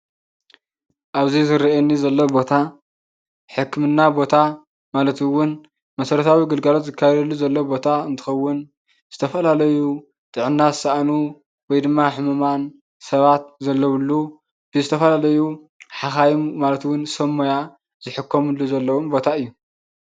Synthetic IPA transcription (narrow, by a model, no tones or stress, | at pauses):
ʔaβzizɨɾiʔenːizɐlːobo̞t̪ʰa | ħɨkːmɨnːabo̞t̪ʰa | malɐt̪wʊn | mɐsɐɾɐt̪ʰawiɡɨlɡalot̪zɨkʰːajɛd̪ɐlːuzɐlːobo̞t̪ʰaɨnt̪ʰɨ̥xɐwːʊn | z̥ɨt̪ʰɐfɐlalɐju | t̪ʼɨʕɨnːazɨsɐʔanu | wɔjd̪ɨmːaħɨmuman | sɐβat̪̚zɐlːɐwɨlːu | b̥ɨzɨt̪ʰɐfɐlalɐju | ħaxajumːalɐt̪wʊnsɐmːoja | z̥ɨħɨkʰːomɨlːuzɐlːɐwumbo̞t̪ʰaɨjːu